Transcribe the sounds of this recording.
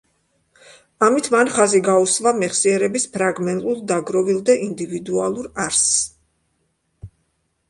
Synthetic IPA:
amit̪ʰmanχaziɡausvamɛχsiɛɾɛbispʰɾaɡmɛnt̪ʼulˠd̪aɡɾɔvilˠd̪ɛʔind̪ivid̪ualˠuɾaɾs

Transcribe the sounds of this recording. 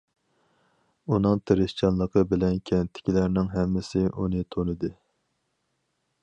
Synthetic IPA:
unɨŋt̪ʰeɾɪst͡ʃʰɑnlˠəqʰəbɪlɛnkʲʰɛnt̪ʰːɪ̥kʲilæɾnɪŋɦɛmːɪsɪʔunɨt̪ʰonɨd̪ɨ

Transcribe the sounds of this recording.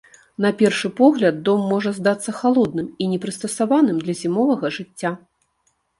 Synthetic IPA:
nɐpʲɛrʂɨpɔɣlʲɐd̪̚ːɔmːɔʐɐzd̪at̪sːɐxalˠɔd̪̚nɨminʲɛpɾɨst̪ɐsavanɨmd̪lʲɐzʲimɔvɐɣɐʐɨt͡sʲːa

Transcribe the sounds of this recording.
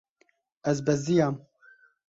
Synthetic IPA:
ɛzbɛzd̪ijaːm

